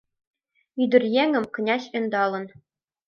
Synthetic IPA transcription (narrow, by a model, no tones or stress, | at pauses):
yd̪ɘ̆rʲjeŋɘ̆mkɘ̆nʲɑɕɘ̆nd̪ɑlˠɤ̆n